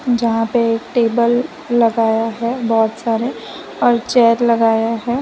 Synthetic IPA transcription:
d͡ʒɐɦãpeeːkʈeːbəlː | ɐɡaːjaɦɛbɔːt̪saːɾe | ɔːɾt͡ʃɛːɾlɐɡaːjaɦɛː

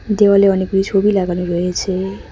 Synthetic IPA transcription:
d̪ewaleʌnekuɾit͡sʰobilaɡaneɾʌɦet͡sʰe

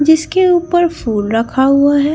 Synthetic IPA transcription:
d͡ʒɪskeuːpəɾfuːlɾɐkʰaɦʊaɦɛ

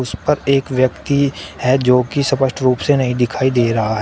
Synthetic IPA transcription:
ʊspɐɾeːkʋjəkt̪ihɛːd͡ʒoːkisɐpəʃʈɾuːpsenɐɦĩd̪ɪkʰaːid̪eːɾɐɦaɦɛː

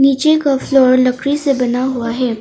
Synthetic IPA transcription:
niːt͡ʃekaflɔːɾlɐkʰɾisebɐnaɦuaɦɛː

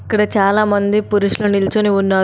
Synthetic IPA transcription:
kəɽet͡ɕaːlamənd̪ʱipuɾuɕlonilt͡soneunːa

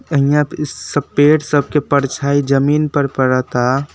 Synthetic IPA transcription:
əɦijãsəpeʈsəb̚ʱkepəɾt͡ʃʰaid͡ʒəminpəɾpəɾət̪a

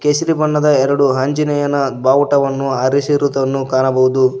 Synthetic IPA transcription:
keːsiɾibɐɳːɐd̪ɐɛɾɐɽuɦɐɲd͡ʒinɛjɐnɐd̪baːʋuʈɐʋɐnːuaːɾisiɾut̪ɐɐnːukaːnɐbɐʋud̪u

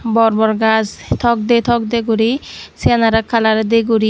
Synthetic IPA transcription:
bɔɾbɔɾɡast̪ʰɔk̚d̪et̪ʰɔkd̪eɡuɾisenaɾakʰalaɾd̪eɡuɾi

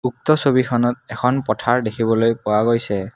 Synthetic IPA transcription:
uk̚tɔsobixʰɔnɔt̚ɛxʰɔnpɔtʰaɹdekʰibɔlojpʊwaɡojsɛ

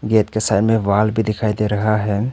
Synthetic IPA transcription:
ɡeːt̪kesaːɪɾmẽʋaːlbʱid̪ɪkʰaːid̪eɾɐɦaɦɛː

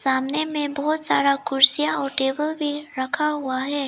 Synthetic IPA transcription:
saːmnemẽbɔɦʊt̪saːɾakʊɾsijaɔːɾʈeːbəlbʱiɾɐkʰaɦʊaɦɛː

